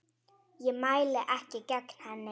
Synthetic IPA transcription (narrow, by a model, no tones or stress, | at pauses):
jɪmajlɪʔahcɪkakn̥hanɪ